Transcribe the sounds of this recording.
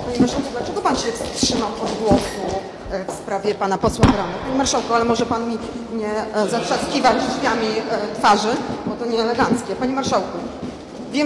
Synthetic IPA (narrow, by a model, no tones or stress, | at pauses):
paɲɛmaɾʂawkud̪lat͡ʂɛɡɔpanɕɛfst̪ʂɘmawʔɔd̪ɡwɔsu | fspɾavʲjɛpanapɔswabɾanapaɲimaɾʂawkɔalɛmɔʐɛpanmʲi | ɲɛzatʂat̪skʲivad͡ʒvʲjamʲit̪faʐɘbɔt̪ɔɲɛːlɛɡant̪skʲɛpaɲiɛmaɾʂawku | vʲjɛ